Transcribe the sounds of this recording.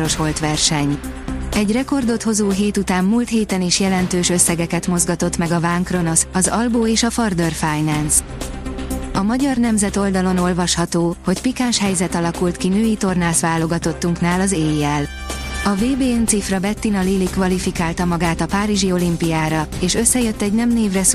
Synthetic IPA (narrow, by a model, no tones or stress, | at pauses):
ɾo̞ʃho̞lt̪ʋɛrʃɛɲ | ɛɟrɛko̞rd̪o̞t̪ho̞zoːɦeːt̪ut̪aːmːuːlt̪heːt̪ɛniʃjɛlɛnt̪øːʃø̞sːɛɡɛkɛt̪mo̞zɡɒt̪o̞t̪mɛɡɒvaːŋkro̞no̞sɒzɒlboːeːʃɒfɒrd̪ørfaːjnɛnz | ɒmɒɟɒrnɛmzɛt̪o̞ld̪ɒlo̞no̞lvɒʃhɒt̪oːho̞cpikaːnʃhɛjzɛt̪ɒlɒkult̪kinøːjit̪o̞rnaːsʋaːlo̞ɡɒt̪o̞t̪ːuŋknaːlɒzeːjɛl | ɒveːbeːɛnt̪sifrɒbɛt̪ːinɒliːlikʋɒlifikaːlt̪ɒmɒɡaːt̪ɒpaːɾiʒio̞limpijaːɾɒeːʃø̞sːɛjø̞t̪ːɛɟnɛmneːvrɛs